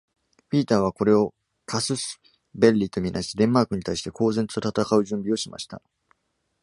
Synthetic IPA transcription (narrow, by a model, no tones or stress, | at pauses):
ɸʲiːt̪aːβ̞ako̞ɾe̞o̞ | kʰasɨsɨ̥ | be̞ɾʲit̪o̞mʲinʔaɕi̥t̪eɾʲẽ̞mːaːkɯ̟ɲ̟it̪aiɕi̥t̪e̞ko̞ːze̞n̥t̪ot̪at̪akaɯ̟ʑɨ̃mbʲio̞ɕima̰ɕi̥t̪a̰